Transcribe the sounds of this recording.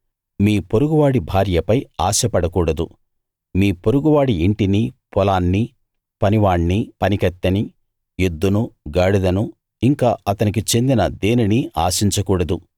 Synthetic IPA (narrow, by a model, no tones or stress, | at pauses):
miːpoɾuɡuʋaːɽibʱaːɾjɐpɐjaːʃɐpɐɽɐkuːɽɐd̪u | miːpoɾuɡuʋaːɽiiɳʈinipɔlaːnːi | pɐniʋaːɳːipɐnikɐt̪ːɐni | jud̪ːunuɡɐːɽud̪ɐnu | iŋkaːʔɐt̪ɐnikit͡ʃe̞nd̪inɐd̪eːniniaːʃiɲt͡ʃɐkuːɽɐd̪u